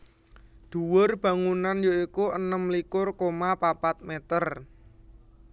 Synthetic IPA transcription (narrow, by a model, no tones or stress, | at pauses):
d̪̥ṳwʊrb̥ä̤ŋunanjoikuʔənəmlikʊrkomapapat̪̚met̪ər